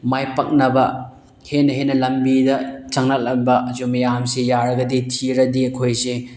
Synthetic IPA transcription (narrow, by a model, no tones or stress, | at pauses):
majpɐk̚nɐbɐ | henɐɦenɐlɐmbidɐt͡ʃɐŋnɐk̚lɐmbɐʔɐzumɐjamsejaɾɐɡɐditʰiɾɐdiɐkʰojse